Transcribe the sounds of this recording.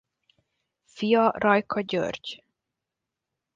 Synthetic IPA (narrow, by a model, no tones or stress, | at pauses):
fijɒrɒjkʰɒɟø̰rɟ